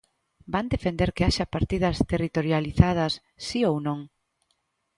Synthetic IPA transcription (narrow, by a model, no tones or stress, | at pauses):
band̪efend̪eɾkeaʃɐpaɾt̪ið̞ɐst̪erit̪oɾjaliθað̞ɐsː | iownõŋ